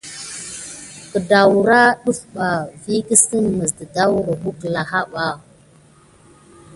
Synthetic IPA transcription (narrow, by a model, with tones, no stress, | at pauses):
kə˨da˨wɾa˦ɗu˦fɓa˨vi˦kə˦sə˦mmə˨sdə˨da˦wɾə˨ɦu˦kla˨ɦa˦ɓa˨